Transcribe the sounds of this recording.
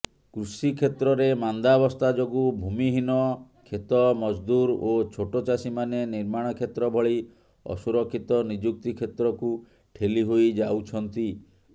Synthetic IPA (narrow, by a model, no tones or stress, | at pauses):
kɾusikʰet̪ɾɔɾemand̪abɔst̪ad͡ʒoɡubʱumiɦinɔ | kʰet̪ɔmɔd͡ʒd̪uɾot͡ʃʰoʈot͡ʃasimaneniɾmaɽ̃ɔkʰet̪ɾɔbʱɔɭi | ɔ̰suɾɔkʰːit̪ɔnid͡ʒuk̚t̪ikʰet̪ɾɔku | ʈʰeliɦojd͡ʒawt͡ʃʰɔnt̪i